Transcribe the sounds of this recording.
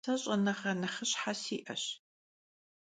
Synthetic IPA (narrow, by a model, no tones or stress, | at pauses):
ɐɕʼɐnɐχɐnɐχɨɕħasiːʔɐ̰ɕ